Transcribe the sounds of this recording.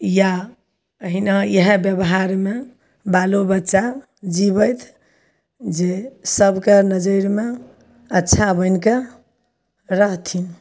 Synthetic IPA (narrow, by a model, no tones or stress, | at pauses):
ja | ɦinajəɦebjəbɦaɾme | balobətːʃa | d͡ʒibəjt̪ʰ | d͡ʒesəbkenəd͡ʒəɾme | ətːʃʰabəɪnke | ɾəɦt̪ʰin